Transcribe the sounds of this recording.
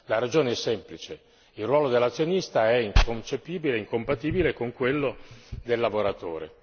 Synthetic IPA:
laɾad͡ʒoːneɛsːɛmplit͡ʃe | ilrwɔːlod̪elːat̪sːjonist̪aɛiŋkont͡ʃepiːbileiŋkompat̪iːbilekoŋkwelːod̪elːavoɾat̪o̰ːɾḛ

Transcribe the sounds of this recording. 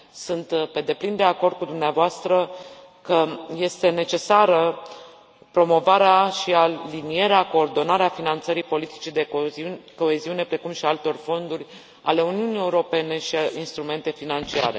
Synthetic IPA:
sunt̪pe̞d̪e̞plind̪e̞ako̞rd̪̚kud̪umneavoast̪ɾə | kəje̞st̪e̞ne̞t͡ʃe̞saɾə | pɾo̞mo̞vaɾeaʃialinije̞ɾeako̞ːrd̪o̞naɾeafinant̪səɾipo̞lit̪i̥t͡ʃed̪eko̞e̞ziune̞pɾe̞kumʃialt̪o̞rfo̞nd̪urʲ | a̰le̞uniunie̞uɾo̞pe̞ne̞ʃiinst̪ɾume̞nt̪e̞finant͡ʃia̰ɾe̞̰

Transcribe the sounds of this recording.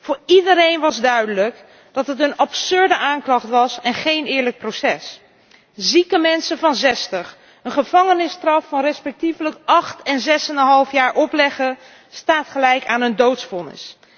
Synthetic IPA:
v̥ʊːɹidəɾejnʋɑzdœɥdələk | d̥ɑtɦət̬ənɑpsɵɹdəʔaːŋklɑχtʋɑsɛnχejnɪːɹlək̚prosɛs | zikəmɛnsəvɑnzɛstəχ | ənχəv̥ɑŋənɪstrɑffɑnrɛspɛk̚tifələkʔɑχtɛnzɛsɛnənɦɑlˠfjaːɹʔɔplɛχə | staːtχəlɛjkaːnəndowtsfɔlˠnɪ̰s

